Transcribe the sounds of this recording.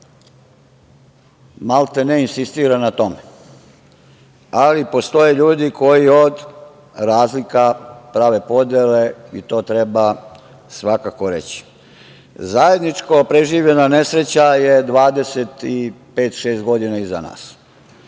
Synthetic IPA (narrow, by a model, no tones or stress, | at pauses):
malˠt̪eneinsist̪iːɾanat̪o̞me | alipo̞st̪o̞jeʎuːd̪iko̞jiod̪ | ɾaːzlikapɾaːʋe̞po̞d̪jele̞it̪o̞ːt̪ɾeba | sʋakako̞ɾḛt͡ɕi̥ | zaje̞d̪nit͡ʃkopɾeʒiːʋʎe̞nane̞sɾe̞t͡ɕajed̪ʋaːd̪e̞se̞t̪ipeːt̪ʃeːst̪ɡo̞d̪inaiza̰na̰ːs